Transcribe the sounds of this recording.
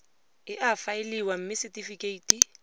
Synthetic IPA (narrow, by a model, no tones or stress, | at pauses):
ɪʔafaɪliwam̩mɪsɪtʼifikʼeitʼi